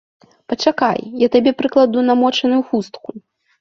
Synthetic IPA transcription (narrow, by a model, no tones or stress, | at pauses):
pɐt͡ʂaka̰jjat̪abʲɛpɾɨklˠad̪unamɔt͡ʂɐnʊjuxust̪ku